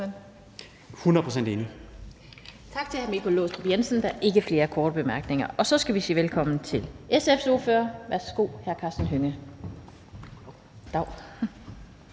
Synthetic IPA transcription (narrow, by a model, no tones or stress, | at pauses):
hunɐðˠpʰʁosen̰d̥eːni | t͡sʰɑ̈ɡ̥t͡sʰe̝hæɐmikʰo̝loːsd̥ʁob̥jensən̩d̥ɑ̈ʔe̝ɡ̥əfle̝ːɐkʰɒːd̥əb̥e̝mæɐɡ̥ne̝ŋɐʔɒ̽sɒ̽sɡ̥æʋisḭːʋelkʰɒ̽mn̩t͡sʰe̝lʔesefso̝ɐføːɐʋæɐsɡ̥o̝̰ːhæɐkʰɑ̈ːsd̥ənɦøŋə | d̥ɑ̈ʊ̰